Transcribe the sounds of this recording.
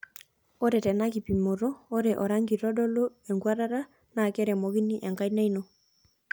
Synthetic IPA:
o˦ɾɛ˨tɛ˨naki˨pi˨mo˨ɾoː˦ɾɛʔɔɾaŋɡi˨ɾɔ˦dɔ˦lo˦ | ɛ˨ŋɡwa˦ɾa˦ɾa˦ | na˨kɛ˦ɾɛmɔ˨ɡi˦ni˦ʔɛ˨ŋka˦jna˦ino˨

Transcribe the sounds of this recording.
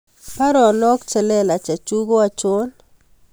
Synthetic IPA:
pa˦ɾɔ˨nɔ˦kt͡ʃɛ˨lɛ˦la˨t͡ʃa˨t͡ʃu˦ɡo˦a˨t͡ʃo˦n

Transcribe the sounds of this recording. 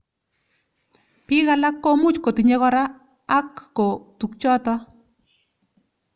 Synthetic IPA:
pi˦ɣa˦la˦kːo˦mu˦t͡ʃko˨ti˨ɲe˦kɔ˦ɾaː˦ | kːo˨tu˨k̚t͡ʃɔ˦tɔ˦

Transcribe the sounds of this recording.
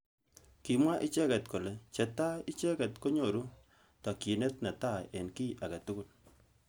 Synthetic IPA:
ki˨mwa˦ʔɪ˦t͡ʃɛ˦kɛ˨tko˨le˨t͡ʃɛ˨ta˦i˦t͡ʃɛ˦kɛ˨tko˦ɲo˨ɾu˦ | tɔ˨ki˨ne˦t̚na˨ta˦e˨nki˦ʔa˨ka˨tu˦kʊ˦l

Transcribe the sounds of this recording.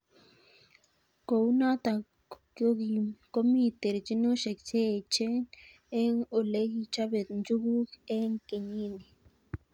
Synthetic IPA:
ko˨wna˦t̪a˨ | kjo˦ɡi˨ko˦mi˦t̪e˨ɾt͡ʃi˦no˦ʃe˨kt͡ʃe˦˨t͡ʃe˦n | e˦ŋo˨le˦ɡi˧t͡ʃa˦be˨t̪nd͡ʒu˦ɡu˦ke˦ŋke˨ɲi˦ni˨

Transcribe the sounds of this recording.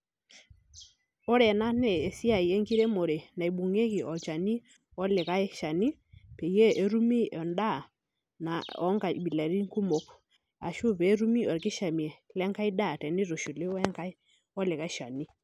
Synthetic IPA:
ɔ˦ɾɛ˨na˦nɛ˦˨e˨si˦a˨i˨e˦ŋki˦ɾe˦mo˨ɾe˨na˨i˨ɓu˨ŋe˦ki˨ʔɔ˨t͡ʃa˨ni˦ | ɔ˦lɪ˨ka˦ʃa˨ni˦pe˨je˦ʔe˦ɾu˦mi˦ɔ˨nda˦˨ | na˨ɔ˦ŋka˨ɓi˨la˨ɾi˦ŋku˦mo˨k | a̰˨ʃu˦pe˨˦ɾu˦mi˦ɔ˨ɾkɪ˦ʃa˨mi˨ɛ˨lɛ˦ŋka˦i˦da˦˨tɛ˨nɪ˦ɾo˨ʃu˨le˦wɛ˦ŋka˦ɪ˦ | ɔ˦lɪ˨ka˦ʃa˨ni˦

